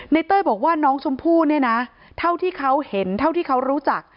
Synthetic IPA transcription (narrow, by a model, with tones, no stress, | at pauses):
na˧˥jt̪ɤː˥˩bɔː˨˩k̚waː˥˩nɔː˦˥ŋsʰo˧˥mpʰuː˥˩ni˥˩ɐna˦˥ | t̪ʰa˥˩wt̪ʰiː˥˩kʰa˦˥whe˩˦nt̪ʰa˥˩wt̪ʰiː˥˩kʰa˦˥wɾuː˦˥t͡ɕa˨˩k̚